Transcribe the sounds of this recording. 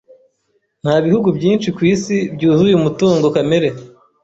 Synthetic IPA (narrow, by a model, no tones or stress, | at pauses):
n̥haːβihuɡubjiːnʃikwiːsibɟuːzujumutuːŋɡo̞kameɾe̞